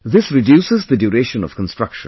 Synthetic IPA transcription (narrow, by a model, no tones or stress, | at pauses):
ðɪsɹɪdjusɪzðɨdɔɹeɪʃə̃nʌ̰v̥kʰə̃n̩stɹ̥ʌkʃə̃n